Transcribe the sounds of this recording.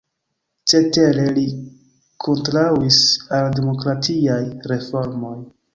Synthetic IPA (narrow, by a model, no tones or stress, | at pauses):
t͡ʃe̞te̞ɾe̞li | kʰo̞ntɾauisaldemo̞kɾatʰiajɾe̞fo̞ɾmo̞j